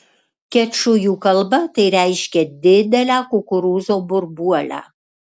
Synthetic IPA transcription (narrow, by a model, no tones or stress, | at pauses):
kʲɛt͡ʃʊjuːkɐlˠbɐt̪ɐɪɾʲæˑɪʃʲkʲɛd̪ʲɪd̪ʲɛlʲæːkʊkʊɾuːzoːbʊɾbuɔlʲæ̰ː